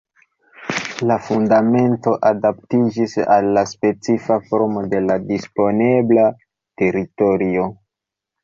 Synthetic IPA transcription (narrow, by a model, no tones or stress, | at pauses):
lafundame̞nto̞ʔadaptid͡ʒisa̰lːaspe̞t͡sifafo̞ɾmo̞de̞ladispo̞ne̞bla | te̞ɾito̞ɾio̞